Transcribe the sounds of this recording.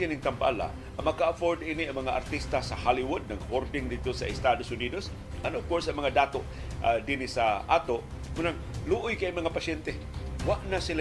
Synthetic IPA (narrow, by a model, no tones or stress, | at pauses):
inɪŋt̪ampa̰la̰ | mɐkaːfoɾd̪iniaŋmɐŋaa̰ɾt̪ist̪asahaliwʊd̪̚naɡhoɾdɪŋd̪ɪd̪̚t̪osaɪst̪ad̪osʊniːd̪os | anofkoɹsaŋmɐŋad̪aːt̪oʔ | d̪inisaʔaːt̪oʔ | mʊnaŋ | luʔʊjkajmɐŋapasɛnt̪e | waʔnasila